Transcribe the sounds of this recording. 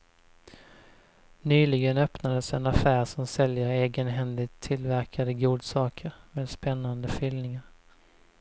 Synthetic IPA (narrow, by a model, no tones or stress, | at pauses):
nyːlɪɡənœpnad̪əsɛnafæːɾʂɔmsɛljəɾeːɡənɦɛnlɪt̪ʰːɪlvæɾkʰad̪əɡuːd̪sɑːkʰəɾmeːd̪spɛnːand̪əfʏlnɪŋaɾ